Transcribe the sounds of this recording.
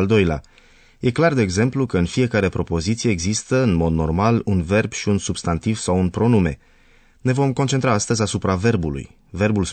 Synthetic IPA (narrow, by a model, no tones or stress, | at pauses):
ld̪o̞jla̰ | je̞klard̪e̞ːɡze̞mplukəɨnfije̞kaɾe̞pɾo̞po̞zit̪sije̞ːɡzist̪əɨnmo̞d̪no̞̰rmalunve̞rb̥ʃiunsubst̪ant̪iv̥sawunpɾo̞nume̞̰ | ne̞vo̞mko̞nt͡ʃent̪ɾaast̪əzʲasupɾave̞rbulṵj | ve̞rbuls